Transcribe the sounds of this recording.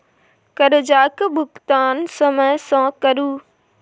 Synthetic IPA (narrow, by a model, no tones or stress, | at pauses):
kɐɾd͡ʑaːkbʱʊkt̪aːnsɐməsãkɐɾuː